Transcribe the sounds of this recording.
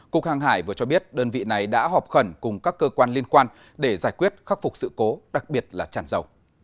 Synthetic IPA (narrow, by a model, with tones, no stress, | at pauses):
kʊ˨˩k̚haː˨˩ŋɦaː˧˩jvɨ˨˩ət͡ɕɔ˧ɓi˦˥ət̚ɗəː˧nvḭ˧˨na˨˩jɗa̰ː˧˥ɦɔ˨˩p̚xə˧˩nkʊ˨˩ŋ͡mkaː˦˥kːəː˧kwaː˧nli˧ənkwaː˧n | ɗe˧˩zaː˧˩jkwi˦˥ət̚xa˦˥k̚fʊ˨˩k͡p̚sɨ̰˧˨ko˨˦ɗa˨˩k̚ɓi˨˩ət̚laː˨˩t͡ɕa̰ː˧˩nzə˨˩w